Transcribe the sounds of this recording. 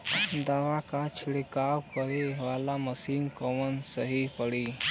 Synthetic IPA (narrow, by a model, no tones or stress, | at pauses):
d̪aːʋakat͡ʃʰɪɽekaːwkəɾeʋaːlaməsiːmkɔːmənsəɦipəɽi